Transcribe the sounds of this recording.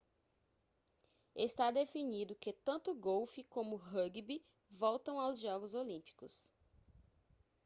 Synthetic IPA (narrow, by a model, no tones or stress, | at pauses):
est̪ad̪efinid̪ʊkɪt̪ɐ̃nt̪ʊɡowfikõmʊɦɐɡibi | vɔwt̪ɐ̃w̃awzʒɔɡʊzolĩpi̥kʊ̰s